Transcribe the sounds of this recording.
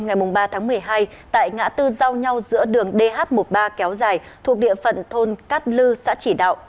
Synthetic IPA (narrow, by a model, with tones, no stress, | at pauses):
ŋa˨˩jmʊ˨˩ŋ͡mɓaː˧t̪ʰaː˨˦ŋmɨ˨˩əjɦaː˧j | t̪a̰ː˧˨jŋa̰ː˧˥t̪ɨ˧za˧wɲa˧wzɨ̰˧˥əɗɨ˨˩əŋɗe˧ɦaː˦˥t̚mo˨˩t̚ɓaː˧kɛ˨˦wzaː˨˩jt̪ʰu˨˩ək̚ɗḭ˧˨əfə̰˧˨nt̪ʰo˧nkaː˦˥t̚lɨ˧sa̰ː˧˥t͡ɕi˧˩ɗa̰ː˧˨wʔ